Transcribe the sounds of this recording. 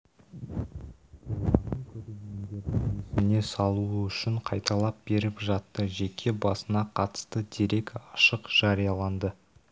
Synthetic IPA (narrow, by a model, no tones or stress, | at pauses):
ɑnəɴkʲʰɵɾe̞ɾmʲe̞nd̪e̞ɾd̪ɪŋesɪmɪne̞sɑlˠuəʏʃɪɴqʰɑjt̪ɑlˠɑp̚be̞ɾɪpʒɑt̪ːəʒe̞kʲʰe̞bɑsənɑqʰɑt̪ə̥st̪əd̪eɾe̞kɑʃəqʒ̥ɑɾijɑlˠɑnd̪ə